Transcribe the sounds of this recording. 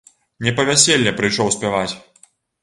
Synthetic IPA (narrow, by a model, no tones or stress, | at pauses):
nʲɛpɐvʲasʲelʲːɛpɾɨjʂɔwsʲpʲɛvat͡sʲ